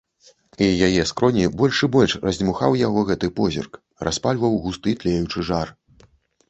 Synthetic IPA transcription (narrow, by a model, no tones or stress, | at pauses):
ijajɛskɾɔnʲibɔlʲʂɨbɔlʲʂrɐzʲmuxa̰wjaɣɔɣɛt̪ɨpɔzʲḭrk | ra̰spalʲvɐwɣust̪ɨt̪lʲɛjut͡ʂɨʐar